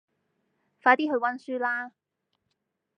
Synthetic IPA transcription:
faː˧t̪iː˥ɦɵ˧ɥwɐ˥nsyː˥laː˥

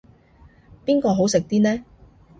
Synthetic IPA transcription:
piː˥nkɔː˧ɦo˨˥wsɪ˨k̚t̪iː˥nɛː˥

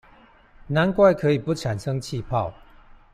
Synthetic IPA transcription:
na˨˦nkwa˥˧ɪkʰɤ˧˦i˨˩pu˥˩ʈ͡ʂʰa˨˩nʂɤ˦ŋt͡ɕʰi˥˧pʰɑ˥˨ʊ

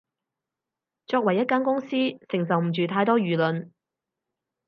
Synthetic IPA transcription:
t͡ʃɔː˧k̚wɐ˨˩jːɐ˥t̚kaː˥nkʊ˥ŋsiː˥sɪ˨˩ŋs̬ɐ˨wm̩˨˩t͡ʃyː˨t̪ʰaː˧jt̪ɔː˥jyː˨˩lɵ˨n

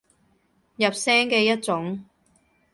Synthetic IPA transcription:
jɐ˨p̚sɛː˥ŋkɛː˧jɐ˥t̚t͡sʊ˨˥ŋ

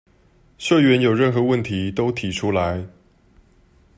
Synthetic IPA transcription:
ɕɤ˥˩ɥɛ˨˦˥njo˨˩ʊɻə˥˩nxɤ˧˦wə˥˩nt̪ʰi˨˥t̪o˥ʊt̪ʰi˨˩ʈ͡ʂʰu˥la˧˦ɪ

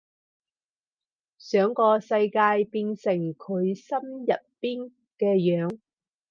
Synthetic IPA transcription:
sœː˨˧ŋkɔː˧sɐ˧jkaː˧jpiː˧nsɪ˨˩ŋkʰɵ˨˧ɥsɐ˥mjɐ˨t̚piː˥n | kɛː˧jœː˨˥ŋ

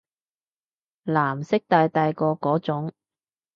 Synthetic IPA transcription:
laː˨˩msɪ˥k̚t̪aː˨˧jt̪aː˧jkɔː˧kɔː˨˥t͡sʊ˨˥ŋ

